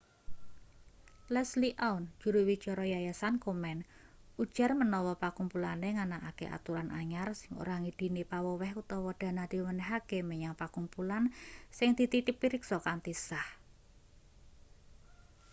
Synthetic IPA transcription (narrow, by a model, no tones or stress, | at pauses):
lɛsliʔaund̥ʒ̥ṳɾuwit͡ʃɔɾɔjajasankomɛn | u̥ʒ̥a̤rmənɔwɔpakumpulaneŋanaʔakḛʔa̰t̪uɾanʔa̰ɲarsɪŋo̰ɾaŋid̪̥i̤nipawɔwɛhkut̪ɔwɔd̪̥a̤nad̪̥i̤mənɛɦakeməɲaŋpakumpulansɪŋd̪̥it̪it̪ɪpːiɾiksɔkant̪isah